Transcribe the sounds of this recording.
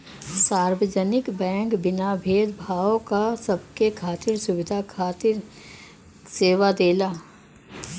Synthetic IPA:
saːɾwəd͡ʒənɪkbɛ̃ːŋkbɪnabʱeːd̪bʱaːokasɐbkekʰaːt̪ɪɾsʊʋɪd̪ʱakʰaːt̪ɪɾ | seːʋad̪eːlaː

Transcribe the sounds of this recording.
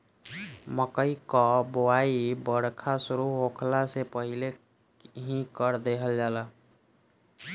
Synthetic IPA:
məkəikɔbowaibəɽkʰasuɾuɦokʰlasepəɦile | ɦĩkəɾd̪eɦəld͡ʒalə

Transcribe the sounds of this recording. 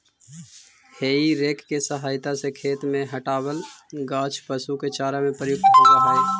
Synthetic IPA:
heːiɾeːkkːesəɦaːjt̪asekʰeːt̪mẽɦəʈaːbəlɡaːt͡ʃʰpəsuket͡ʃaːɾamẽpɾəjʊk̚t̪t̪əɾəɦaːe

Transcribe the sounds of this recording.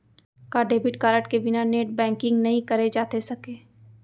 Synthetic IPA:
kaːɖeːbɪʈkaːɾəʈkebɪnaneːʈ̚bɛ̃ːŋkɪ̃ŋɡnɐɦĩkɐɾed͡ʒaːt̪esɐkeː

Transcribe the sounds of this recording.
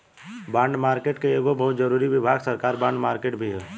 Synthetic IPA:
bãːɳɖmaːɾkeːʈkeeːɡobɐɦʊt̪d͡ʒəɾuːɾiʋɪbʱaːɡsəɾkaːɾbãːɳɖmaːɾkeːʈbʱiɦɛː

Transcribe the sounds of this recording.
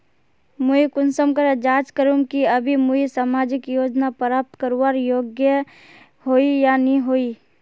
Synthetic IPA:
muikʊnsəmkəɾd͡ʒaːt͡ʃkəɾũmkiɐbʱimuisaːmaːd͡ʒɪkjoːd͡ʒnapəɾaːp̚t̪kəɾuaːɾjoːɡjə | ɦoːijaniɦoːiː

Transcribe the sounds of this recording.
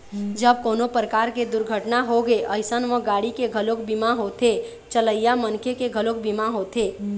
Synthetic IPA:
d͡ʒəb̚konopɾəkaɾked̪ʊɾɡʱəʈnaɦoɡeʔəɪsənʋə̃ɡaɽikeɡʱəlokbimaɦot̪e | t͡ʃələjjamənkʰekeɡʱəlok̚bimaɦot̪e

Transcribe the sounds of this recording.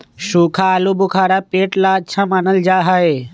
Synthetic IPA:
ʃuːkʰaːlubʊkʰaːɾapeːʈlaːtːʃʰamaːnəld͡ʒaːɦaeː

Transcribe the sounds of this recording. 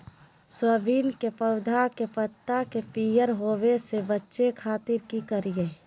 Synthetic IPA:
swəbiːnkepəʊd̪ʱakepət̪ːakepiːjəɾɦoːwesebətːʃekʰaːt̪ɪɾkikəɾiɡe

